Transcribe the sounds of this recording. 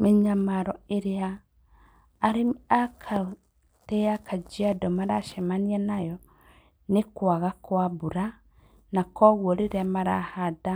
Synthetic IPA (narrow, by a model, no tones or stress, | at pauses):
meɲamaɾɔeɾea | ɾeakʰa | tɛakʰad͡ʒiadɔmaɾaʃɛmanianajɔ | nekwaɣakwaβuɾa | nakɔɣwoɾeɾɛmaɾa̰hada